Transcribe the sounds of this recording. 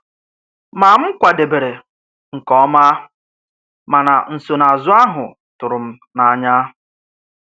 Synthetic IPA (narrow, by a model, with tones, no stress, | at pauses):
ma˨m̩˦kʷa˨de˨be˨ɾe˨ | ŋ̩˨kɔ˦ma˦ | ma˨na̰˨n̩˨so˨na˨a˨zʊ˦a˦ɦʊ˨ | tʊ˨ɾʊ˨m̩˦ | na˨˦ɲa˦